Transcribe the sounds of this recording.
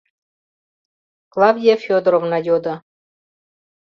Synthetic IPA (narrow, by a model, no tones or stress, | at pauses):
klˠɑvʲiefʲod̪ɾovnɑjod̪ɤ̆